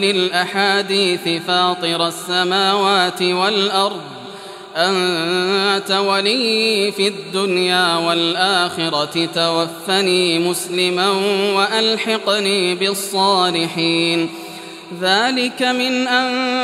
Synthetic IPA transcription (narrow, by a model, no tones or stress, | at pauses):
lɪlʔaħaːd̪iːθɪfɑːt̪ˤɨɾasːamaːwaːt̪ɪwalʔɑɾˤd̪ˤ | ʔan | t̪awaliːfiad̪ːʊnjaːwalʔaːxɪɾɑt̪awafːaniːmʊslɪmanwaʔalħɑqniːbɪsˤːɑːlɪħiːn | ðaːlɪkamɪnʔan